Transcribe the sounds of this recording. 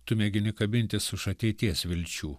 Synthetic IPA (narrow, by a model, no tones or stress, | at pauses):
t̪ʊmʲɛɡʲɪnʲɪkɐbʲɪnʲt̪ʲɪsʊʃɐt̪ʲɛɪt̪ʲiɛsʋʲɪlʲt͡ʃʲuː